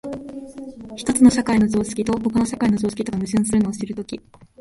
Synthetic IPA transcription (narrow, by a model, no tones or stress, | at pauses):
çi̥t̪o̞t͡sɨno̞ɕakaino̞zo̞ːsɨ̥kʲit̪o̞ho̞kanoɕakaino̞zo̞ːsɨ̥kʲit̪o̞kamɯ̟ɕɨ̃ɰ̃sɨɾɯ̟noːɕiɾɯ̟t̪o̞kʲi